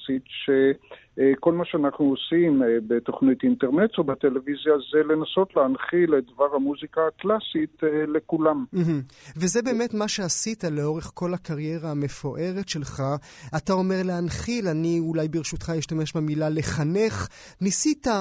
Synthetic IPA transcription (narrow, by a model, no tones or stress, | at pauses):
sitʃe | kolmaʃeanaχnuosimbet̪oχnit̪inteʁnet̪obat̪elevizjazelenaso̞t̪leanχilet̚d̪vaʁhamuzikaːklasit̪lekulamm̩ɦm̩ | vezebe̞ːmetmaʃe̞asitale̞o̞ʁe̞χko̞lakaʁje̞ʁaːme̞fo̞ʔe̞ʁe̞tʃe̞lχa | atao̞me̞ʁleanχilaniulajbiʁʃutχajiʃtame̞ʃbamilale̞χane̞χ | nisita